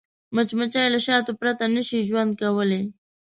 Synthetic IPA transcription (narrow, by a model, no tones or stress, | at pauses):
mət͡ʃmat͡ʃajlaʃɑt̪opɾat̪anəʃiʒwand̪̚kawəle